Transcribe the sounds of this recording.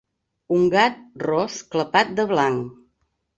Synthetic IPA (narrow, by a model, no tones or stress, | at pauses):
uŋɡat̪̚rɔskləpat̪̚d̪əβlaŋ